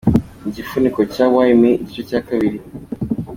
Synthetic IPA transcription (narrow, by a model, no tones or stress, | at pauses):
ɟifuniko̞cawajimiicocakaβiɾi